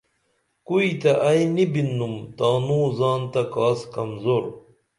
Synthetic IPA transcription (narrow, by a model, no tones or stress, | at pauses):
kuit̪ɐʔɐjnibinːumt̪aːnuːzaːnt̪ɐkaːskɐmzoɾ